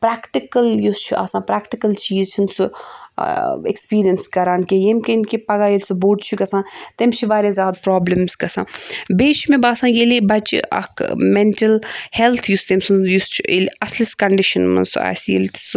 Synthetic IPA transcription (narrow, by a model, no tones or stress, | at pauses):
pɾaːkʈikɐljust͡ʃʰuʔa̰ːsãːpɾaːkʈikɐlt͡ʃiːzt͡ʃʰunsu | ekspiːɾijɐnskɐɾaːnkejemkenkipɐɡaːjelʲsuboːɖt͡ʃʰukɐsãːt̪emt͡ʃʰiʋaːɾezʲaːd̪̚pɾaːblɐmzkɐsã̰ːbeːt͡ʃʰumẽbaːsãːjelibɐt͡ʃɐ̰kʰmeɳʈɐlhelt̪ʰjust̪emsunjust͡ʃʰuelɐsliskɐɳɖiʃɐnmɐ̰nsṵa̰ːsjḛlt̪i̥s